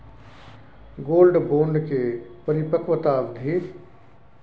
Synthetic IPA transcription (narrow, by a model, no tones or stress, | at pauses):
ɡoːlɖboːɳɖkʰeːpɐɾipɐkʋət̪aːʋd̪ʱiː